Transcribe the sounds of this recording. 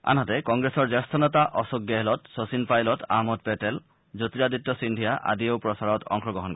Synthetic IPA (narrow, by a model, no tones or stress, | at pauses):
a̰nɦatɛkɔŋɡɹesɔɹzɛst̪ʰɔnɔtaʔɔsɔɡjɛɦɛlɔtsosinpajlɔta̰mɔt̚pɛtɛl | zotiɹaditːɔsindʱijaʔa̰diowpɹɔsaɹɔtɔ̰ŋxɔɡɔɦɔnkɔ